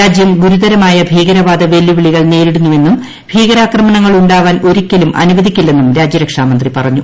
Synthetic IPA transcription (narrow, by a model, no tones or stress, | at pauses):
aːd͡ʑjɐmɡuɾud̪ɐɾɐmaːjɐbʱiːɣɐɾɐʋaːd̪ɐʋe̞lːiʋiɭiɣɐɭne̞ːɾiɽunːue̞nːum | bʱiːɣɐɾaːkrɐmɐɳɐŋːɐɭuɳɖaːʋaːnʔo̞ɾukʲːɐlumʔɐ̰nuʋɐðikʲːilːe̞nːumɾaːd͡ʑjɐɾɐkʂaːmɐnd̪ripɐrɐɲːu